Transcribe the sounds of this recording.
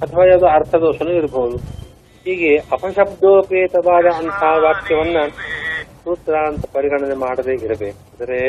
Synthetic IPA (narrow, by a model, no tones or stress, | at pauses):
ɐt̪ʰɐʋaːjaːd̪oɐɾt̪ʰɐd̪oːʃɐnuniɾbʱɐʋɐd̪u | ɦiːɡeʔɐpʰɐʃɐb̚d̪ʱoːpeːt̪ɐʋaːd̪ɐɐnt̪ʰaːʋaːkjɐʋɐnːɐ | t̪uːt̪ɾaːnt̪ɐpɐɾiɡɐɳɐnemaːɽɐd̪eːiɾɐbeːkuɐd̪ɐɾe